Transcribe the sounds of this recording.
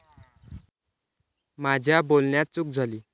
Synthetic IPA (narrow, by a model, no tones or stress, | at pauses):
mad͡ʑʱjabolɳjat̪̚t͡suk̚d͡zʱaliː